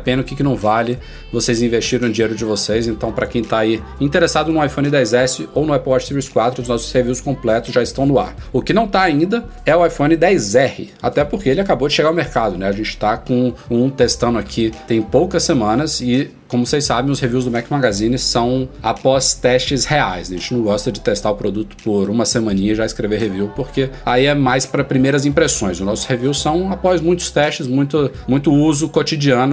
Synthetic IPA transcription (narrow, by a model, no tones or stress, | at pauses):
pẽnɐʊkɪkɪnɐ̃w̃valɪ | vosejzĩvest͡ʃiɾɐ̃d͡ʒiejɾʊd͡ʒɪvosejzẽnt̪ɐ̃w̃pɾɐkẽj̃t̪aai | ĩnt̪eɾesad̪ʊnʊajfõnɪd̪ɛjzɛsɪownʊɛplɔt͡ʃsiviskwat̪ɾʊznɔsʊ̥sheviwskõplɛt̪ʊsʒaɪst̪ɐ̃w̃nʊa̰ɾʊkɪnɐ̃w̃t̪aaĩnd̪ɐɛʊajfõnɪd̪ɛjzɛhɪ̰ | a̰t̪ɛpʊɾkeelɪakabowd͡ʒɪʃeɡaɾɐwmeɾkad̪ʊnɛaʒẽnt͡ʃɪ̥t̪akõũt̪est̪ɐ̃nd̪ʊakʰit̪ẽj̃powkɐsemɐ̃nɐsɪ | kõmʊsejsabẽj̃ʊsheviwzd̪ʊmɛkmaɡazĩnɪsɐ̃w̃apɔst̪ɛst͡ʃɪsheajsɐʒẽt͡ʃɪnɐ̃w̃ɡɔst̪ɐd͡ʒɪt̪est̪aɾʊpɾod̪ut̪ʊ̥pʊɾũmɐsemɐ̃nĩɲɐʒaɪskɾeveɦeviwpoɾkeaiɛmajspɾɐpɾimejɾɐzĩpɾesõj̃zʊnɔsʊ̥heviwssɐ̃w̃apɔzmũj̃t̪ʊ̥st̪ɛʃt͡ʃɪzmũj̃t̪ʊmũj̃t̪ʊuzʊkot͡ʃid͡ʒiɐ̃nʊ